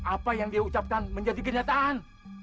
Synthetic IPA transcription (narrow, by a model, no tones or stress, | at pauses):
ʔapajaŋdiaut͡ʃap̚kanməɲd͡ʒadikəɲat̪aʔan